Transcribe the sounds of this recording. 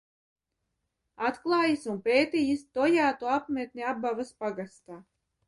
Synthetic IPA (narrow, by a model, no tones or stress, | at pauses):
at̪klˠɑːjisunpeːt̪iːjist̪ɔjaːt̪uapmʲet̪̚ʲnʲiabːavaspaɡast̪aː